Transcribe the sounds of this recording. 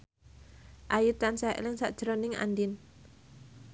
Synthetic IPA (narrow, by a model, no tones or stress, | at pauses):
ʔajut̪ansa̰lɪŋsa̰ʔd̥ʒ̥əɾonɪŋa̰ndin